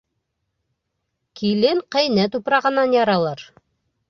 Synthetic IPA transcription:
kʰilɘŋqɑ̆jnæt̪̬upɾɑʁɤ̆nːɑnjɑɾɑlˠɑɾ

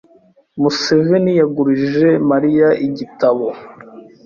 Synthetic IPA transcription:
musevenijaɡuɾiʒe̞maɾijaʔiɟitaβo

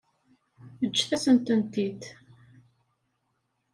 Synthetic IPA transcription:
əd͡ʒːθæsənt̪ənt̪id̪

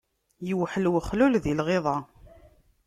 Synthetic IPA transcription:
jəwħəlwəχlulðilʁeðˤɑ

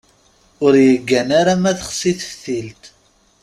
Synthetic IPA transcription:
ʊɾjəɡːænaɾamæθəχsiθə̥fθilt̪

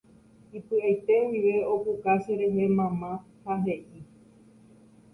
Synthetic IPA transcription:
ipɨajt̪e̞wiʋe̞opukaʃeɾe̞ɦemãmã | haɦe̞ʔi

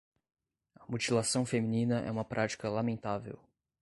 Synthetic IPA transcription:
ɐmut͡ʃilasɐ̃w̃femĩnĩnɐʔɛ̰ũmɐpɾʔat͡ʃi̥kɐlamẽnt̪avḛw

